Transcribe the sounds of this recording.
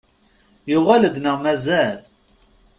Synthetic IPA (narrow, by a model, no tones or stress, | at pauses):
jʊʁæləd̪nəʁmæzæl